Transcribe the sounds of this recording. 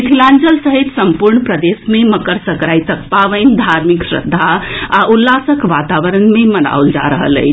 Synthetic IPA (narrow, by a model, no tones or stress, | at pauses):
kʰilãnd͡ʒəlsəɦit̪səmpuɾɳpɾəd̪esmeməkəɾsəkɾajt̪əkpaʋənd̪ʱaɾmiksɾə̰d̪ʱːaaʔulːasəkʋat̪aʋəɾənmeməna̰uld͡ʒa̰ɾəɦə̰lə̰jt͡ʃʰ